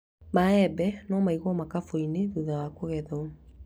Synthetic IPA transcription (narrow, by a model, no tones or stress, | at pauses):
maɛbɛnɔmaiɣwɔmakafoineðuðawakoɣɛðɔ